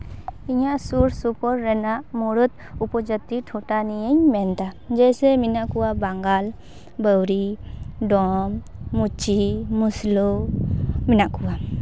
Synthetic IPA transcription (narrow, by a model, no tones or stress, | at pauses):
iɲaʔsuɾsupɔɾːɛnaʔmuɽut̪̚ | upɔd͡ʒət̪iʈʰɔʈanijəɲmɛnt̪ad͡ʒɛsɛminaʔkuwabaŋɡal | bəwɾiɖɔmːut͡ʃimuslɔ | minaʔkuwa